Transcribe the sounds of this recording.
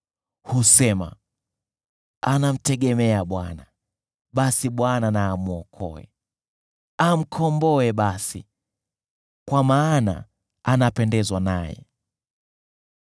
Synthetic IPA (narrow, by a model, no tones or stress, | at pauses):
husɛma̰ | anam̩tɛɠɛmɛaɓwana | ɓasiɓwananaːmuɔkʰɔ̰ɛ̰ | am̩kʰɔmbɔɛɓasḭ | kwamaːna̰ | anapɛndɛzwanajɛ̰